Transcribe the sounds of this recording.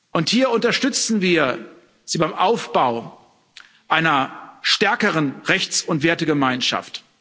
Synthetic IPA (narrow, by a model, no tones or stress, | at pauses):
ʔʊnthiːɐʊntɐʃtʏt͡sn̩viːɐ | z̥iːbaɪmʔaʊfb̥aʊ | ʔaɪnɐʃtɛɐkəʁənʁɛçt͡sʊntv̥eːɐtəɡəmaɪnʃa̰ft